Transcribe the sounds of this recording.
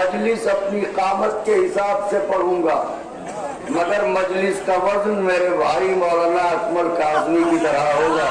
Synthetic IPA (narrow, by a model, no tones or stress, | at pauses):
mɐd͡ʒlɪsɐpniqaːmət̪̚keɦɪsaːbsepɐɽ̤ũːɡaː | mɐɡəɾmɐd͡ʒlɪskaʋɐznmeːɾebʱaːɾimɔːlaːnaɐkməlkaːznikit̪ɐɾaɦoːɡaː